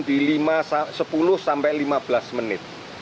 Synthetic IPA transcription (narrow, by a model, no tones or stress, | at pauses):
d̪̥ilimassəpulʊhsampɛlimab̥lasmənɪt̪̚